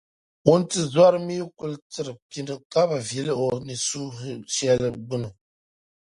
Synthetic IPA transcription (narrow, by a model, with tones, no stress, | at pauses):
wu˦n˦tɨ˦˨zwa˦ɾɨ˦mi˦ku˦ltɨ˦ɾɨ˨pi˨ndɨ˨ka˦ba˨vje˨li˦ʔo˨ni˨su˦ʃjɛ˦lɨ˨ɡ͡bɨ˦nɨ˨